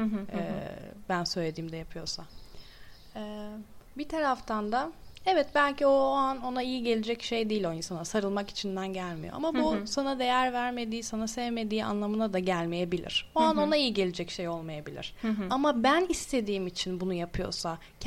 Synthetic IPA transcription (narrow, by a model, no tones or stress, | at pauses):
ɛ̰ːbænsø̞jlʲe̞d̪iːmd̪ɛjapʰɯjo̞sa | ɛːbit̪ʰaɾaft̪ʰand̪aɛvɛt̪bælʲcio̞ano̞naijiɟelʲed͡ʒɛcʃe̞jd̪iːlʲo̞insanasaɾɯlˠmaki̥t͡ʃʰind̪ænɟælʲmḭjoʔa̰mabusanad̪e̞jæɾvæɾme̞d̪iːsanasevme̞d̪iːa̰nlˠamɯnad̪aɟælʲmeje̞bilʲḭɾ̥o̞ano̞naijiɟe̞lʲed͡ʒɛcʃe̞jo̞lˠmajabilʲḭɾ̥amabænist̪ʰe̞d̪iːmit͡ʃʰinbunujapʰɯjo̞̰sa | cʰ